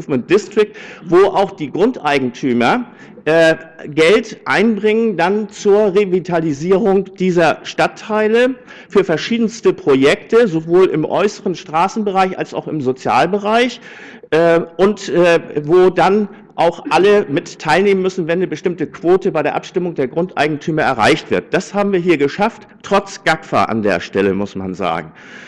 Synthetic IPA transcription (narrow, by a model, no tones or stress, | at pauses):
fmɛnd̥ɪstʁ̥ɪk̚tvoːʔa̰ʊxd̥iːɡʁʊntʔaɪɡŋ̩tʰyːmɐ | ʔɛɡɛltʔaɪnbʁɪŋəndant͡suːɐʁevitʰaliziːʁʊŋd̥iːzɐʃtatʰːaɪlə | fyːɐfɛɐʃiːdn̩stəpʁ̥ojɛktəzovoːlɪ̰mʔɔ̰ʏsəʁənʃtʁ̥aːsn̩bəʁaɪçʔa̰lsa̰ʊxɪmzot͡sja̰ːlbəʁaɪç | ʔːʔʊntʔvoːdan | ʔaʊxʔaləmɪtʰːaɪlneːmənmʏsn̩vɛnːəbəʃtɪmtəkv̥oːtəbaɪɾeːɐʔa̰pʃtɪmʊŋdeːɐɡʁʊntʔa̰ɪɡŋ̩tʰyːmɐɛɐʁa̰ɪçtv̥ɪɐt̚d̥ashaːbm̩viːɐɦiːɐɡəʃaftː | ʁ̥ɔt͡sɡ̥akfa̰ʔa̰ndḛːɐʃtɛləmʊsma̰nza̰ːɡŋ̩